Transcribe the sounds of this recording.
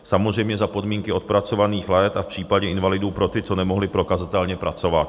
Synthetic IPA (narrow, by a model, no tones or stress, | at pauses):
samozrɛjmɲɛzapo̞dmiːŋkɪo̞t̪̚pɾat͡so̞vaniːxlɛjɛt̪afpr̥iːpaɟɛɪnvalɪduːpɾo̞t̪ɪt͡so̞nɛmo̞ɦlɪpɾo̞kazat̪ɛlɲɛpɾat͡sovat̪̚